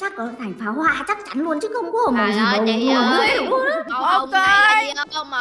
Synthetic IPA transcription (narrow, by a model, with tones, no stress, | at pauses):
t͡ɕa˦˥k̚ʔɔː˨˩˨t̪ʰa˨˩ŋ̟faː˨˦whwa̰ː˧t͡ɕa˦˥k̚t͡ɕa˨˦nlu˨˧ənt͡ɕɨ˦˥kxə˧wŋ͡mkɔ˨˧˦o˨˩mmə˨˩zi˨˩˨ʔo˨˧ke˧